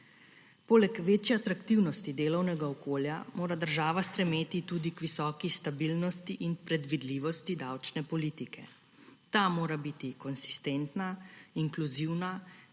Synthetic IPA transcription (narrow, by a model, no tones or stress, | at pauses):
poːlɛkʋeːt͡ʃjɛat̪ɾakt̪iwnɔst̪id̪eːlɔwnɛɡaɔkoːljamoːɾad̪əɾʒaːʋast̪ɾɛmeːt̪it̪uːd̪ikʋisɔːkist̪abilnɔst̪iʔinpɾɛd̪ʋid̪liʋɔst̪id̪awt͡ʃnɛpɔlit̪ikɛ̰ | t̪amoːɾabit̪ikɔnsi̥st̪ent̪naiŋkluziwna